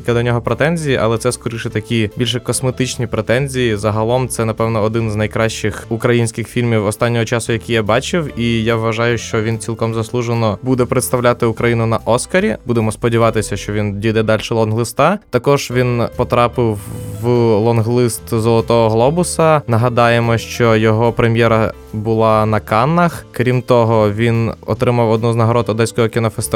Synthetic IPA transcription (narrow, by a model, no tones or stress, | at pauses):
kʲɪd̪ɔnʲɔɦɔpɾet̪ɛnʲzʲijiʔɐ̰lˠɛt̪sɛskɔɾɪʃɪt̪ɐkʲibʲilʲʃ̬ɛkɔsmet̪ɪt͡ʃnʲipɾet̪ɛnʲzʲijizɐɦɐlˠɔmt̪sɛnɐpɛwnɔːd̪ɪnznɐjkɾɑʃt͡ʃɪxukɾɐjinʲsʲkʲɪxfʲilʲmʲiwɔst̪ɑnʲːɔɦɔt͡ʃɑsʊjɐkʲijabɑt͡ʃɪwijaʋʋɐʒɑjʊʃt͡ʃɔʋʲint͡sʲilˠkɔmzɐslˠuʒenɔbud̪ɛpɾet̪st̪ɐwlʲat̪ɪukɾɐjinʊnɐʔɔskɐɾʲibud̪emɔspɔdʲiʋɑt̪ɪsʲɐʃt͡ʃɔʋʲindʲijd̪ɛd̪ɑlʲʃɛlˠɔnɦlˠɪst̪ɑt̪ɐkɔʒ̥ʋʲinpɔt̪ɾɑpɪwː | lˠɔnɦlˠɪst̪zɔlˠɔt̪ɔɦɔɦlˠɔbʊsɐnɐɦɐd̪ɑjemɔʃt͡ʃɔjɔɦɔpɾemʲjɛɾɐ | bʊlˠɑnɐkɑnːɐxkɾʲimt̪ɔɦɔʋʲinɔ̰t̪ɾɪmɐwɔd̪nuznɐɦɔɾɔd̪ɔd̪ɛsʲkɔɦɔkʲɪnɔfest̪ɪ